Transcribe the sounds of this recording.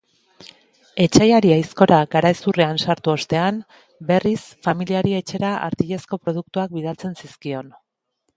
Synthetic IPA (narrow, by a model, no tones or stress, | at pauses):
e̞t͡ʃajaɾiajsko̞ɾaɡaɾaesureansaɾt̪uo̞st̪e̞am | be̞risfamiliaɾie̞t͡ʃe̞ɾaʔa̰ɾt̪iʎe̞sko̞pɾo̞ð̞uk̚t̪uak̚bið̞alt͡se̞nsiskio̞n